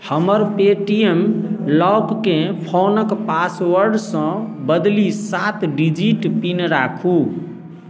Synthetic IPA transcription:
həməɾpeʈijemlɔkkẽpʰonəkpaswəɾɖsə̃bəd̪lisat̪ʰɖid͡ʒiʈpinɾakʰu

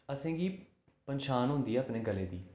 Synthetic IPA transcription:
əsẽːɡiː | pənʃaːnɦʊ̃nd̪iːaːpneːɡəleːd̪iː

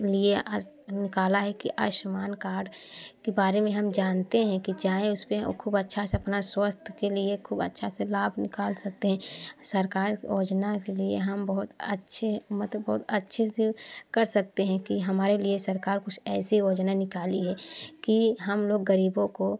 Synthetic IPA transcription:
lienɪkaːlaɦɛkiʔa̰ːʃmaːnkaːɾɖkebaːɾemẽɦɐmd͡ʒaːnt̪eɦɛ̃kid͡ʒaːẽʊspekʰuːbətːʃʰaseɐpnaswəst̪ʰkeliekʰuːbətːʃʰaselaːbʱnɪkaːlsɐk̚t̪eɦɛ̃sɐɾkaːɾjoːd͡ʒnakeliḛɦɐmbɐɦʊt̪ə̰tːʃʰemət̪bɔɦʊt̪ɐtːʃʰesekɐɾsɐk̚t̪eɦɛ̃kiɦɐmaːɾeliesɐɾkaːɾkʊt͡ʃʰɛːsijoːd͡ʒnanɪkaːliɦɛkiɦɐmloːɡːəɾiːbõko

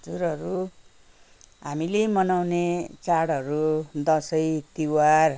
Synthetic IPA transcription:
d͡zuɾʌɾu | ɦamilemʌnawnet͡saɽɦʌɾud̪ʌsʌjt̪iwar

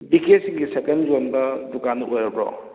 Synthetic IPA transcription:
biket̚siŋɡisekɐnzonbɐdukanːɐojɾɐbɾɔ̰

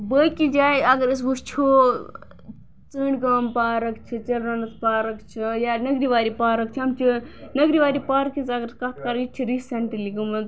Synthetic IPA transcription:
bəkid͡ʒaːjɐɡəɾis̬bust͡ʃʰo | t͡sɨːɳkaːmpaːɾɐkt͡ʃʰit͡ʃɐlɾɐnɐt̪ʰpaːɾɐkt͡ʃʰijanɐɡɾiʋaːɾipaːɾɐk̚t͡ʃʰiɐmt͡ʃʰinɐɡɾiʋaːɾipaːɾkisɐɡɐɾkɐt̪̚ʰkaɾit͡ʃʰiɾissɐɳʈilikumɐ

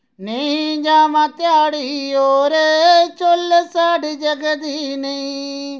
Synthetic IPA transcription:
nĩd͡ʒaːmãt̪jaːɽiioɾet͡ʃolːesaːɖed͡ʒəɡəd̪inei

